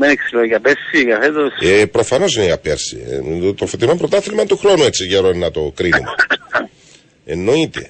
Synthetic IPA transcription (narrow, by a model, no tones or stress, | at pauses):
meniksiloikɐpeɾsikɐθet̪ospɾo̞fɐno̞s̬ineʝɐpeɾsḭt̪ofot̪inompɾot̪ɐθilmɐnt̪uxɾo̞nuet͡sːiʝeɾoninɐt̪okɾinumo | enːoit̪ḛ